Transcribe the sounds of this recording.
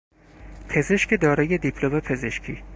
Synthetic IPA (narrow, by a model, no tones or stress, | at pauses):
pʰe̞ze̞ʃcʰed̪ɒːɾɒːje̞d̪ipʰlomepʰeze̞ʃcʰiː